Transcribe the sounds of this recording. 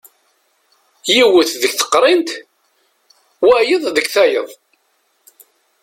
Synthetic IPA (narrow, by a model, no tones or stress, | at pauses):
jiwəθðəɡθə̥qːɾˤɪnt̪ | wæjəðˤðəɡθæjəðˤ